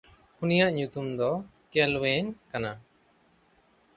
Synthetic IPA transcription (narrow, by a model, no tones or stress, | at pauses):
unijaʔɲut̪umd̪ɔkɛlwɛɲkana